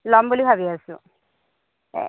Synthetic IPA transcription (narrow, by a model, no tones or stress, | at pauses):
lɔmbulibʱabiasʊ̰̃